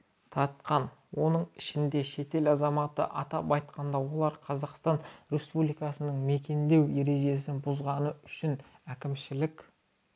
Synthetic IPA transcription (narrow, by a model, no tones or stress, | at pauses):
t̪ʰɑɾt̪̚qɑnwo̞nəɴɪʃɪnd̪e̞ʃe̞t̪e̞lɑzɑmɑt̪ə̰ʔɑt̪ɑpɑjt̪̚qʰɑnd̪ɑwo̞lˠɑɾqʰɑzɑqst̪ɑnɾe̞spublijkɑsənəɴme̞kʲe̞nd̪e̞wje̞ɾe̞ʒe̞s̬ɪnbʊzʁɑnəʏʃɪnækʲɪmʃɪlɪkʲ